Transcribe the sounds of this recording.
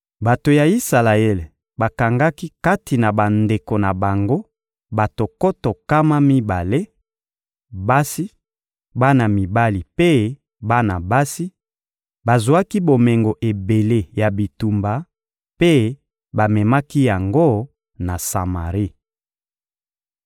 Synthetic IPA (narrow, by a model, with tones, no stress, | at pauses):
ba˨to˨ja˨i˦sa˨la˨ɛ˦˨l | ba˨ka˨ŋɡa˦ki˦ka˦ti˨na˨ba˨nde˨ko˨na˨ba˨ŋɡo˦ | ba˨to˨ko˦to˨ka˦ma˦mi˦ba˨le˦ | ba˦si˦ | ba˦na˨mi˨ba˦li˨pe˦ | ba˦na˨ba˦si˦ | ba˨zu˨˦a˦ki˦bo˨me˨ŋɡo˨ʔe˨be˨le˦ja˨bi˨tu˨mba˨ | pe˦ | ba˨mɛ˨ma˦ki˦ja˨ŋɡo˦ | na˨sa̰˨ma̰˨ʁi˦